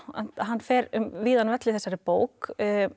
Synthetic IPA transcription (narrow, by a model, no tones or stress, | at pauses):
a̰n̥t̪aðɦanːfɛɾʏmviːðanvɛt̪lɪθɛsːaɾɪpoːwk